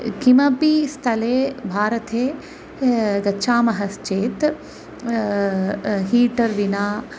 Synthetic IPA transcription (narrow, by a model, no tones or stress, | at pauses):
kimɐpist̪ʰɐleːbʱaːɾɐt̪ʰeː | ɡɐːʃʰaːmɐɦɐst͡ʃeːt̪ | ɦiːʈɐɾʋinaː